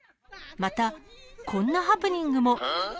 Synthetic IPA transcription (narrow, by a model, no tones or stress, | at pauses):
mat̪akʰõ̞nːaɦapɯ̟ɲ̟ĩŋɡɯ̟mo̞